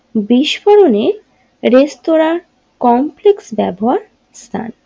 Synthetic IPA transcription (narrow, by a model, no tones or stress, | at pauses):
biʃfoɾone | ɾest̪oɾa | kɔmpleksbɛboɦaɾ | st̪ʰa̰n